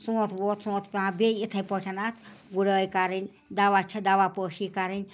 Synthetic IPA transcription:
sũot̪ʰboːt̪sũt̪ʰpʲãbʲeit̪ʰɐjpəʈʰɐnat̪ʰɡuɽəːjkaɾinʲ | d̪aʋat͡ʃʰɐd̪aʋapəʃikaɾinʲ

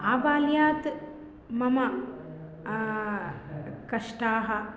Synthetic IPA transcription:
aːʋaːljaːt̪ | mɐmɐ | kɐʂʈaːɦɐ

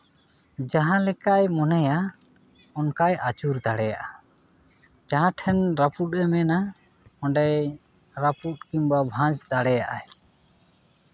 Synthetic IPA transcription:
d͡ʒaɦãlɛkajmɔnɛja | ɔnkajat͡ʃuɾd̪aɽɛjaʔa | d͡ʒaɦãʈʰɛnɾaput̚ɛmɛna | ɔ̃ɳɖɛj | ɾaput̚kimbabʱãd͡ʒd̪aɽɛjaʔaj

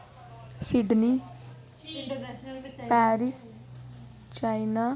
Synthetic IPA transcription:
sɪɖniː | pɛːɾɪs | t͡ʃainaː

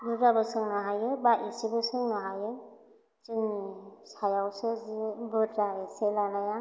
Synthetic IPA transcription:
bɯdɾabɯsɯŋnaɦajɯbaisibɯsɯŋnaɦajɯŋ | t͡ʃɯnsajawsɯzibɯdɾaeselanaja

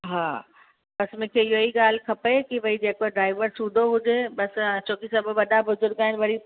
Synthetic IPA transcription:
ɦãː | bɐsmẽnkʰeɪɦoiɡaːl̤kʰɐpekiʋɐɦid͡ʑeːkoɖɾaːɪʋəɾsuːd̪ʱoɦʊd͡ʒeɓɐst͡ʃʰoːkisɐbʱʋɐɗabʊzʊɾɡaːɦɪnʋɐɽi

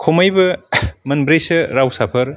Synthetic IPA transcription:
kʰomɐjbɐmɐnbɾejsɐɾawsapʰɐɾ

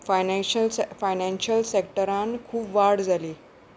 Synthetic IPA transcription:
fajnɕəlfajnɛ̃nɕəlsek̚ʈəɾankʰuːpʋaɽd͡zʱaliː

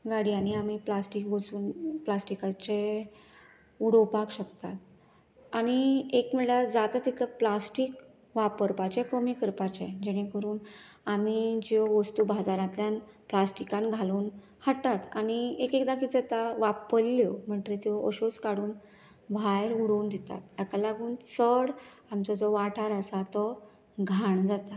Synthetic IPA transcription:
ɡaɽiañiamiplasʈikʋət͡suːnplasʈikat͡ɕe | uɽopakɕəkt̪at̪̚ | aɽ̃iekm̤iɭaɾd͡zat̪at̪ːit̪ʰləplasʈik | ʋapəɾpat͡ɕepɾomikəɾpat͡ɕed͡ʑɛɽ̃ẽkəɾuːn | amid͡ʑɔʋəst̪ubʱad͡zaɾãt̪ljanplasʈikãnɡʱaluːn | həʈːat̪añiekekd̪akid͡zət̪aʋapəlːom̤əɳʈ̪ɾet̪jɔəɕoskaɽuːn | bʱajɾuɽuːnd̪et̪a̰t̪jakalaɡuːnsəɽ | amt͡sɔd͡zɔʋaʈʰaɾəsat̪ɔ | ɡʱaɳd͡zat̪a

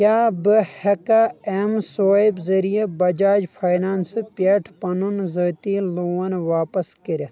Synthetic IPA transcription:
kʲaːbɨhekaemsoːibzɐɾijebɐd͡ʒaːd͡ʒpʰaːjnaːnsɨpʲeːʈʰpɐnunzəːt̪iːloːwɐnʋaːpɐskiɾʲ

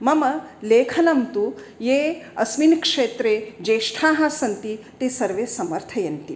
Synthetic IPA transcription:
mɐmɐleːkʰɐnɐmt̪ujeːɐsʋinkʂeːt̪ɾeːd͡ʒeːʂʈʰaːɦasɐnt̪it̪eːsɐɾʋeːsɐmɐɾt̪ʰɐjɐnt̪i

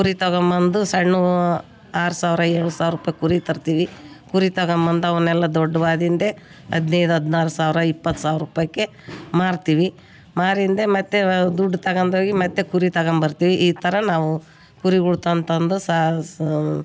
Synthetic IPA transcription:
kuɾit̪ɐɣɐmbɐnd̪usɐɳːu | aːɾusaːʋiɾɐɛːɭusaːʋɾuːpɐjkuɾit̪ɐɾt̪iːʋi | kuɾit̪ɐɡɐmbɐnd̪uɐʋɐnːɛlːɐd̪ɔɖːɐbaːd̪ind̪e̞ | ɐ̰d̪nɛjd̪uɦɐd̪naːɾusaːʋiɾɐipːɐt̪ːsaːʋɾuːpɐjɐkːe̞ | maːɾt̪iːʋi | maːɾind̪emɐt̪ːed̪uɖːt̪ɐɡɐnd̪oːɡimɐt̪ːekuɾit̪ɐɣɐmbɐɾt̪iːʋiʔiːt̪ʰɐɾɐnaːʋu | kuɾiɡuɽt̪ɐnt̪ɐnd̪usa

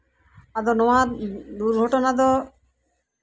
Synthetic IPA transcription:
ad̪ɔnɔwad̪uɾɡʱɔʈɔnad̪ɔ

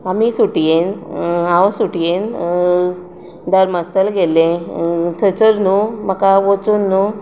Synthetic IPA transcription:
amisuʈijenãwsuʈijen | d̪əɾməst̪əlɡelẽt̪ʰət͡səɾnuməkaʋot͡sunːu

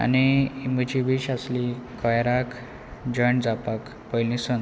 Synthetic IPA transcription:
a̰niməd͡ʑiʋiɕaslikʰɔjɾak | d͡ʑəɳd͡zapak | pəjlĩsən

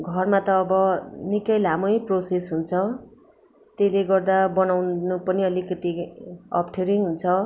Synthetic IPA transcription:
ɡʱʌrmat̪ʌːbʌnikʌjlamʌjprosesɦunt͡sʰʌ | t̪eleɡʌrd̪abʌnawnupʌniʌlikʌt̪iʌ̰pʰʈʰeɾijŋɦunt͡sʰʌ

